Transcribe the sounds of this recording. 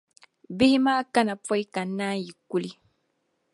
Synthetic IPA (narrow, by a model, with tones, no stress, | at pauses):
bi˦hi˦maː˦ka˦na˨pɔ˦i˦ka˨nːa˦ji˨ku˦li˦